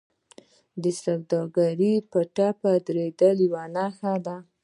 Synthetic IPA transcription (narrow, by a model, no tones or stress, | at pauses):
d̪əsawd̪ɑɡaɾipəʈapad̪ɾed̪əliwanaxad̪a